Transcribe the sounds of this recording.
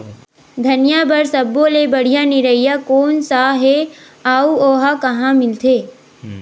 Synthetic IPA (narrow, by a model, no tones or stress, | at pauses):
d̪ʱɐnjabɐɾsɐbːolebɐɽ̤ijaniɾəɪjakoːnsaɦe | aːuoːɦakɐɦãmɪlt̪ʰeː